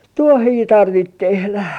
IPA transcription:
tuohiː tɑrʋit tehlæ

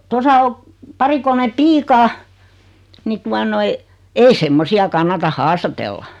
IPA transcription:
tosɑ o pɑri kolme piːkɑː ni tuɑ noi ei semːosiɑ kɑnːɑtɑ hɑːstɑtelːɑ

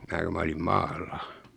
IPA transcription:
mæː ku mæ olim mɑːlːɑ

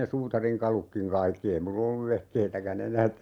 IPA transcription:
ne suːtɑriŋkɑlukːiŋ kɑikːi ei mulː olːuʋ ʋehkeitækæn enæːt

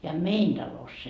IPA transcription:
jɑ mein d̥ɑlosː

